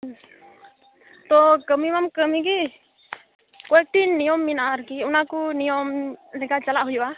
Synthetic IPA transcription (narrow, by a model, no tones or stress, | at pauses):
t̪ɔkəmimamkəmiki | kɔɛk̚ʈinːijɔmːinaaɾkiunakunijɔmlɛkat͡ʃalaʔɦujoa